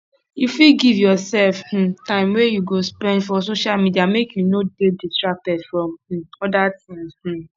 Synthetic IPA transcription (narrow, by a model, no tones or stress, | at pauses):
jifiɡivjɔsɛlfh̩tãɪ̃mwejuɡospɛ̃ndfɔsoʃalmidiamekjunodeditɹak̚tɛdfɹɔ̃mh̩ɔdatĩmsh̩